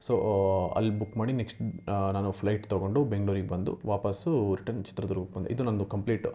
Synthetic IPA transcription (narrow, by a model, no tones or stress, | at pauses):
soːɐ̰lːibukːmaːɽineksʈnaːnupʰlɐjʈt̪oɡo̞ɳɖubeŋɡɭuːɾiɡebɐnd̪ṵʋaːpɐsuɾiʈɐnt͡ʃi̥t̪ɾɐd̪uɾɡukːɐnd̪ḛid̪unɐnd̪ukɐmpliːʈ